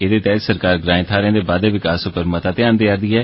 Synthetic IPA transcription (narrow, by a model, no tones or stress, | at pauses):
eːd̪eːt̪ɛːt̪səɾkaːɾɡɾãːɪ̃t̪ʰaːɾẽːd̪eːbaːd̪eːʋɪkaːsopəɾmət̪aːt̪ɪãːnd̪eːaɾd̪iːɦɛː